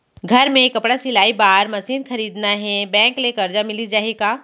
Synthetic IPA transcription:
ɡʱɐɾmẽkɐpɽasɪlaːibaːɾmɐsiːnxɐɾiːd̪naɦɛbɛ̃ːŋklekɐɾd͡ʒamɪlid͡ʒaːɦeːɡaː

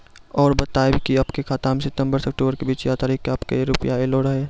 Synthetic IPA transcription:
ɔːɾbɐt̪aːebʱikiɐpkekʰaːt̪aːmsɪt̪ə̃mbəɾsɐk̚ʈuːbəɾkebiːt͡ʃjaːt̪aːɾikːeɐpkejeɾʊpjaeloːɾɐɦe

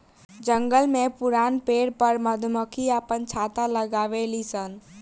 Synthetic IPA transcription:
d͡ʒəŋɡəlmẽpʊɾaːnpeːɽpəɾməd̪ʱməkʰiaːpənt͡ʃʰaːt̪aləɡaːʋelisən

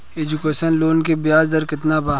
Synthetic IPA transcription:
eːd͡ʒukeːʃənloːnkebɪjaːzd̪əɾkɪt̪nabaː

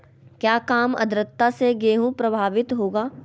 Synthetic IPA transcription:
kjaːkaːmɐ̰d̪ɾət̪ːaseɡeːɦũpɾɐbʱaːʋɪt̪ɦoːɡaː

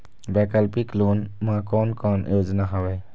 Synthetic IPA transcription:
bɛkalpiklunmakɔnkʰɔnjod͡ʒɔnaɦawe

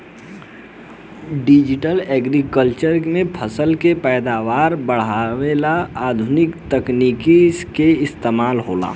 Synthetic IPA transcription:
ɖid͡ʒɪʈəlɛːɡɾikəlt͡ʃəɾmẽpʰəsəlkepɛːd̪aːʋaːɾbəɽ̤aʋelaaːd̪ʱʊnɪkt̪əknikiskeɪst̪eːmaːlɦo̰ːla̰ː

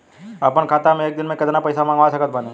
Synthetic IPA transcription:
ɐpənkʰaːt̪amẽeːk̚d̪ɪnmẽkɐd̪napɐɪsamãŋɡʋasɐkət̪̚bɐne

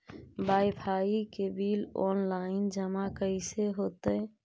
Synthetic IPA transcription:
bajpʰaikebiːlɔnlaɪnd͡ʒəmakəɪseɦot̪ə

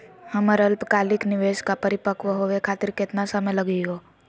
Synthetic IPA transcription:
həməɾəlpkaːlɪknɪʋeːʃkapɐɾɪpəkʋɦoʋekʰaːt̪ɪɾkeːt̪nasəməjləɡiɦoː

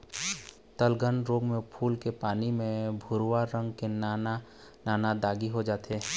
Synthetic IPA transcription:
t̪əlɡənɾoːɡmẽpʰuːlkepaːnimẽbʱʊɾwaɾə̃ŋɡkenana | naːnad̪aːɡiɦod͡ʒaːt̪eː

